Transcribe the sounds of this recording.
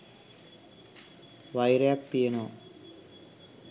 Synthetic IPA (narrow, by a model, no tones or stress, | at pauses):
ʋajɾjaːk̚t̪ijɐnoː